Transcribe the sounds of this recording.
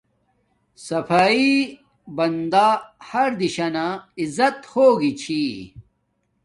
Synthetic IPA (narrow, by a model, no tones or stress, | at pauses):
sɐfaːi | bɐnd̪aːhɐɾd̪iɕɐnaizɐt̪hoːɡit͡ɕʰi